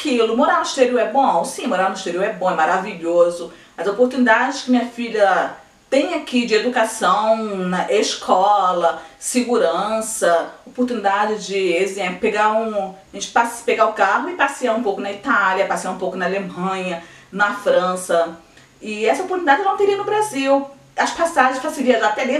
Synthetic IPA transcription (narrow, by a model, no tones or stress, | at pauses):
akilʊmoɾaniʃt̪eɾioɛbõsĩmoɾaɾniʃt̪eɾiuwɛbõɛmaɾaviʎozʊ | ɐzopoɾt̪unid̪ad͡ʒɪskɪmĩɲɐfiʎɐ | t̪ẽj̃akid͡ʒɪed̪ukasɐ̃w̃nɐʔeʃkʰɔlɐsɪɡuɾɐ̃sɐopoɾt̪ũnid̪ad͡ʒɪd͡ʒɪezẽpeɡaũʒẽnt͡ʃɪ̥paspeɡaʊkaɦʊɪpasiaũpowkʊnɐit̪aljɐpasiaũpowkʊnɐalemɐ̃ɲɐ | nɐfɾɐ̃sɐ | ɪɛsɐopoɾt̪unid̪ad͡ʒɪnɐ̃w̃t̪eɾiɐnʊbɾaziw | ɐspasaʒẽʃpaseɾiɐʒat̪ɛɾi